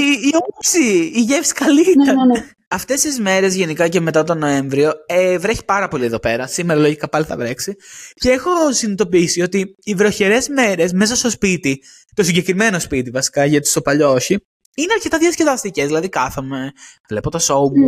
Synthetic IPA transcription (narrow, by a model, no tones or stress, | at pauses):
iiopsiːʝefsi̥kɐlieɾ | ɐft̪e̞st̪izme̞ɾe̞zʝe̞nikɐceme̞t̪ɐt̪o̞no̞e̞ɱvɾioevɾeçi̥pɐɾɐpo̞lie̞ðo̞pe̞ɾɐsimeɾɐlo̞ʝikɐpɐliθɐ̰vɾe̞ksice̞exo̞sinit̪o̞piisio̞t̪iːvɾo̞çeɾe̞zme̞ɾe̞zmesɐst̪ospit̪i | t̪o̞s̬iɲɟe̞kɾime̞no̞spit̪̬ivɐsi̥kɐʝɐt̪i̥st̪opɐʎooçi | ineɐɾce̞t̪ɐðiɐsceðɐst̪ice̞zðilɐðikɐθome̞vle̞pot̪osom